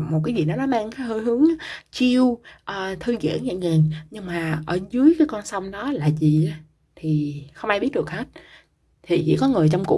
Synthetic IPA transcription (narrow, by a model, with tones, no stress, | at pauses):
mo˨˩t̚kaː˨˦jzi˨˩nɔ˨˦nɔ˨˦maː˧ŋka˨˦həː˧jɦɨ˨˦əŋ˨˦t͡ɕi˧əwʔəː˨˩t̪ʰɨ˧ɣḭ˧˨ənɲa̰˧˨ŋe˨˩nɲɨ˧ŋmaː˨˩ʔəː˧˩zɨ˨˦əjkaː˨˦jkɔ˧nsa˧wŋ͡mɗɔ˨˦laː˨˩zi˨˩ʔa˨˦ | t̪ʰi˨˩xə˧wŋ͡mʔaː˧jɓi˦˥ət̚ɗɨ˨˩ək̚hə˦˥t̚ | t̪ʰi˨˩t͡ɕḭ˧˥kɔ˨˦ŋɨ˨˩əjt͡ɕɔ˧wŋ͡mkṵ˧˥